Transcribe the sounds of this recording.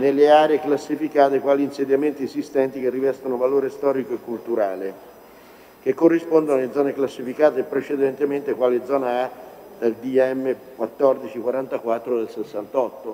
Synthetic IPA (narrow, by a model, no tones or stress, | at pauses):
nelːeaːɾeːklasːifikaːt̪ekwaːliːnsed̪jament̪iesist̪ɛnt̪ikerːivɛst̪onovaloːɾest̪ɔːɾikoekːult̪uɾaːle | k̟ekːorːispond̪onaled̪zɔːneklasːifikaːt̪eːpːɾet͡ʃed̪ɛnt̪ement̪ekwaːled̪zɔːnaa | d̪ald̪iɛmːekwat̪ːɔrd̪it͡ʃikwaɾant̪akwat̪ːɾod̪elsesːant̪ɔt̪ːo